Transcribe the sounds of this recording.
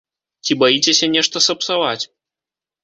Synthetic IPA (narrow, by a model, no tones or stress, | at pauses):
t͡sʲibajit͡sʲesʲɐnʲɛʂt̪ɐsɐpsavat͡sʲ